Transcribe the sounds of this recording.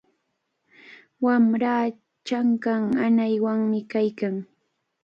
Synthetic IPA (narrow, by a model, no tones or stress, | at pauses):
wamɾaː | t͡ʃaŋkaŋanajwaŋmɪkajkaŋ